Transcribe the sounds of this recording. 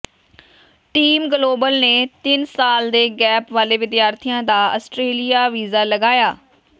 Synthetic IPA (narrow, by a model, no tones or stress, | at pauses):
ʈiːmɡloːbəlneːt̪ɪnsaːld̪eːɡɛːpʋaːleːʋɪd̪jaːɾt̪ʰijãːd̪aːəsʈɾeːlijaːʋiːzaːləɡaːjaː